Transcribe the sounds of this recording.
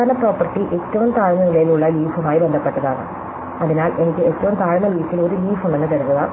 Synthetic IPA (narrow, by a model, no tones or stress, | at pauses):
aːnɐpro̞ːpːɐrʈːiʔetːɐʋumt̪aːɻɐnɐnilɐjiluɭːɐliːfumaːjibe̞nd̪ʱɐpːe̞ʈːɐðaːɳɨ̰ | ɐðinaːlʔe̞nikʲːɨetːɐʋumt̪aːɻɐnɐliːfilo̞ɾuliːfuɳɖenːɨkɐɾunːɐɣɐ